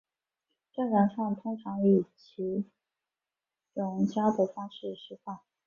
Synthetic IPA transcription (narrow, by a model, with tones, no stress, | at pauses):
ʈ͡ʂa˥˩nna˧˥nʂɑ˥˩ŋt̪ʰʊ˥ŋʈ͡ʂʰɑ˧˥ŋi˨˩t͡ɕʰi˧˥ | ʈ͡ʂʊ˧˥ŋt͡ɕʰjɑ˥t̪u˨˩fɑ˥ŋʂɻ̩˥˩ʂɻ̩˥fɑ˥˩ŋ